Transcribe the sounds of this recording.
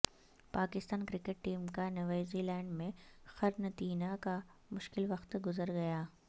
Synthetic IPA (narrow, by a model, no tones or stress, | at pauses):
paːkɪst̪aːnkɾɪkeʈ̚ʈiːmkanɐʋaːziːlɛ̃ːɳɖmẽxɐɾnɐt̪iːnaka | mʊʃkɪlʋɐxt̪ɡʊzəɾɡɐjaː